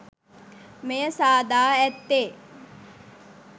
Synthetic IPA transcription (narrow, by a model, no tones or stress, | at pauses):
mejəsaːd̪aːɛt̪ːeː